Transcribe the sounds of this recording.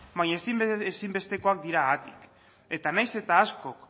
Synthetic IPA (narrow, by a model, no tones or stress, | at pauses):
bajɲaesiesimbe̞st̪e̞ko̞ak̚d̪iɾaːt̪ik | e̞t̪anajse̞t̪aːskok